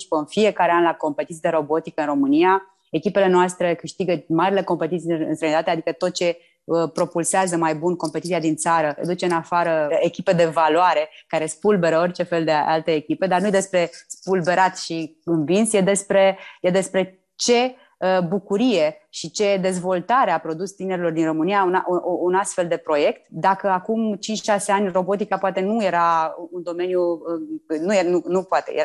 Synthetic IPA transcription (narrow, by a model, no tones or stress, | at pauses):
t͡ʃi̥pəɨnfie̞kaɾeanlako̞mpe̞t̪it̪sileɾo̞bo̞t̪ikəɨnro̞mɨnija | e̞kʲipe̞le̞noast̪ɾekɨʃt̪iɡəmaɾile̞ko̞mpe̞t̪it̪siɨnst̪ɾeəjnit̪at̪ead̪ikət̪o̞t̪̚t͡ʃe̞ | əpɾo̞pulseazəmajbunko̞mpet̪it̪sijad̪int̪saɾə̰d̪ut͡ʃe̞ɨnafaɾəekʲipe̞d̪e̞valoaɾe̞kaɾe̞spulbe̞ɾəo̞rʲt͡ʃe̞fe̞ld̪eʔa̰lt̪eːkʲipe̞d̪arnujed̪e̞spɾe̞spulbe̞ɾat̪ʃiɨnvinsjed̪e̞spɾe̞jed̪e̞spɾe̞ | t͡ʃe̞ | əbukuɾije̞ | ʃit͡ʃe̞d̪e̞zvo̞lt̪aɾeapɾo̞d̪ust̪ine̞ɾilo̞rd̪inro̞mɨnijaunaʔʔunast̪fe̞ld̪e̞pɾo̞je̞kt̪d̪akəakumt͡ʃint͡ʃʃaseanʲro̞bo̞t̪ikapoat̪e̞nuje̞ɾaund̪o̞me̞nju | nujenunupoat̪ḛjea